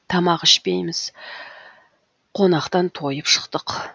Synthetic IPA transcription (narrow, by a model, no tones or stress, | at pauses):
t̪ʰɑmɑqɪʃpe̞jmɪz̥ | qʰo̞nɑqt̪ɑnt̪ʰo̞jəpʃə̥qt̪əq